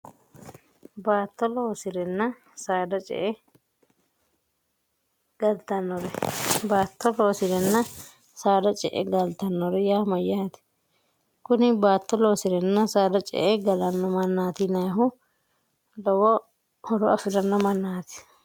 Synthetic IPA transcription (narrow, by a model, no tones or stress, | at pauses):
baːt̪ːɔloːsɪɾɛnːɐ | saːd̪ɐt͡ʃʼɛ̰ʔɛ | ɡ̥ɐlt̪ɐnːɔɾɛbaːt̪ːɔloːsɪɾɛnːɐ | saːd̪ɐt͡ʃʼɛ̰ʔɛ̰ɡɐlt̪ɐnːɔɾɛjaːmɐjːaːt̪ɛ̥ | kʊnɪbaːt̪ːɔlo̞ːsɪɾɛnːɐsaːd̪ɐt͡ʃʼɛ̰ʔɛɡɐlɐnːɔmɐnːaːt̪ɪnɐjɦʊ | lɔwɔ | hɔɾɔɐfɪɾɐnːɔmɐnːaːt̪ɪ̥